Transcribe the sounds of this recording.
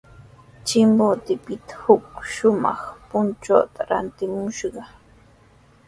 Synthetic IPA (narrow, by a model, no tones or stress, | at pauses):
t͡ʃɪmbot̪ɪpɪt̪ḁhʊk̚ʃʊmɑ̰χpʊnt͡ʃo̰t̪aɾa̰nt̪ɪmʊʃɢɑ